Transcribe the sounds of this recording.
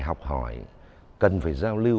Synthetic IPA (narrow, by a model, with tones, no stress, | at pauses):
jɦɔ˨˩wk͡p̚ɦɔ̰˧˩˦j | kə˨˩nfaː˧˩jzaː˧wli˧